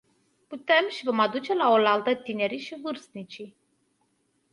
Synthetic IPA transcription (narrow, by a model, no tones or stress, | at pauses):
put̪e̞mʃivo̞mad̪ut͡ʃe̞laolalt̪ət̪ine̞ɾiʃivɨrst̪nit͡ʃi